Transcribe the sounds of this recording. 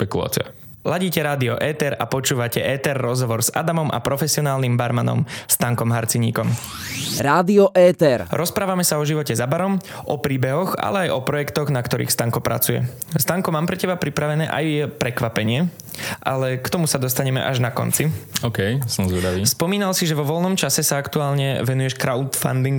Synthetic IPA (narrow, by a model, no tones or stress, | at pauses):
ʃpɛkula̰ːt͡sḭa̰ | laɟiːcɛɾaːd̪iɔʔɛːt̪ɛɾa̰pɔt͡ʃuːʋacɛʔɛːt̪ɛɾːɔzɦɔʋɔɾza̰d̪amɔmʔa̰pɾɔfɛsɪɔnaːlnimbaɾmanɔ̰mst̪aŋkɔmɦaɾt͡siɲiːkɔm | ɾaːd̪iɔʔɛːt̪ɛɾɾɔspɾaːʋamɛsaɔʒiʋɔcɛzabaɾɔmʔɔpɾiːbɛɦɔɣa̰lɛajʔɔpɾɔjɛkt̪ɔɣnakt̪ɔɾḭːxst̪aŋkɔpɾa̰t͡sujɛ̰ | st̪aŋkɔmaːmpɾɛcɛbapɾipɾaʋɛnɛːʔa̰jːɛpɾɛkʋapɛɲɪɛ | ʔa̰lɛkt̪ɔmusad̪ɔst̪aɲɛmɛ̰ʔaʒnakɔ̰nt͡siɔːkɛjsɔmzʋɛd̪aʋiːspɔmiːnalsiʒɛvʋɔʋɔlnɔmt͡ʃasɛsaakt̪uaːlɲɛʋɛnujɛʃkɾaʊt̪fa̰nd̪iŋɡ